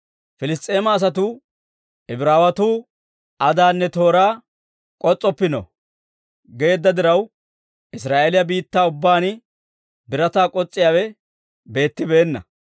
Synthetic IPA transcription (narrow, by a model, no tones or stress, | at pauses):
fɪlɪst̪ʼːe̞ːmɐːs̬ɐt̪ʊ | ɛbɪɾaːwɐt̪uː | ʔɐd̪aːnːɛt̪o̞ːɾaː | kʼɔt͡sʼːɔpːɪnɔ̰ | ɡe̞ːd̪ːɐd̪ɪɾɐw | ɪs̬ɾaːʔelɪjɐbiːt̪ːaːʊbːaːnɪ | bɪɾɐt̪aːkʼɔt͡sʼːɪjaːwɛ | be̞ːt̪ːɪbe̞ːnːɐ̰